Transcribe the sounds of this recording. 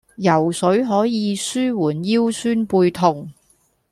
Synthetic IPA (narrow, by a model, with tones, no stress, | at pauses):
jɐ˨˩wsɵ˨˥ɥɦɔː˨˥jiː˨˧syː˥wuː˨˩njiː˥wsyː˥npuː˧jt̪ʰʊ˨˩ŋ